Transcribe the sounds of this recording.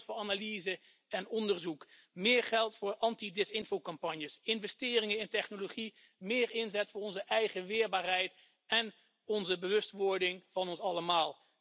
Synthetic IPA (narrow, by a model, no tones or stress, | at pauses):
tfʊɹaːnalizə | ɛnɔndəɹzuk | mɪːɹχɛlˠtfʊːɹɑntidɪsɪnfowkɑmpɑnjəsɪnvɛstɪːrɪŋəɪntɛχnoloχi | mɪːɹɪnzɛtfʊːɹɔnzəʔɛjχəʋɪːɹbaːrɦɛjt | ɛn | ɔnzəbəʋɵstʋʊɹdɪŋvɑnɔnsɑləmaːlˠ